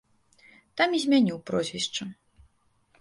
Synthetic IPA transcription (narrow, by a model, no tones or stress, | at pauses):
t̪amizʲmʲanʲiwpɾɔzʲvʲist͡ʂu